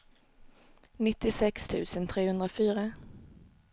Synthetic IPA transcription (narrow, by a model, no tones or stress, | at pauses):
nɪt̪ːɪsɛkst̪ʰʉ̟̰ːsənt̪ʰɾeːhɵnd̪ɾafyːɾa